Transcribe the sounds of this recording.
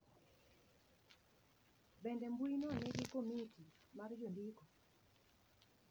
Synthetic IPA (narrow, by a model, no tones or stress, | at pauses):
bɛndɛmbwinɔnɛɡikomiti | mard͡ʒondikɔ